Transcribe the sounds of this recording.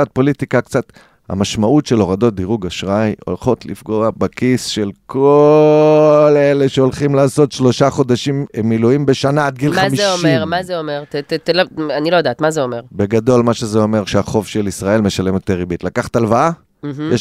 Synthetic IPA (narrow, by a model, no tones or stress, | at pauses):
at̪̚po̞litikakt͡sat̪ | ha̰maʃmautʃe̞lo̞ʁado̞t̚d̪iʁuɡaʃʁajo̞̰lχo̞tlḭfɡo̞abekisʃe̞lkʰo | le̞le̞ʃeo̞lχimlaːso̞tʃlo̞ʃaχo̞d̪aʃimmːiluimbe̞ʃanad̪̚ɡilχmamieʃomieʁmazeomeʁttlanilojd̪aːt̪mazeome̞ʁbe̞ɡad̪o̞lmaʃe̞zeo̞me̞ʁʃeaχo̞vʃelisʁae̞lme̞ʃale̞mot̪eʁibit̪lakaχḁt̪alvaa | jeʃ